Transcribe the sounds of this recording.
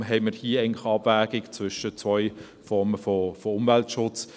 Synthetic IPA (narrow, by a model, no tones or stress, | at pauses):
ɦɛɪməɾhiəɛŋnlɪχɑbvæːɡ̥ɪkt͡svʏʃət͡sʋɔʏ | fɔʁməfɔfɔʊmvæltʃʊt͡s